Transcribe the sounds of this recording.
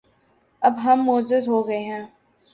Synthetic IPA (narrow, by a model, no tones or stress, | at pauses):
ɐbɦɐmːoːzɪzɦoːɡɐeɦɛ̃ː